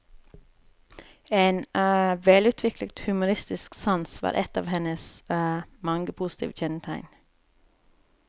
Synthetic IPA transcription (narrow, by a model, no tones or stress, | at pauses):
eːnʋɛlʉːt̪ʰʋɪklət̪hʉmʊɾɪst̪ɪsksɑnsʋɑ̰ːɾʔɛt̪ɑ̰ːʋhɛnəs | mɑŋɡəpʰʊst̪ʰḭʋçɛnət̪ʰæɪn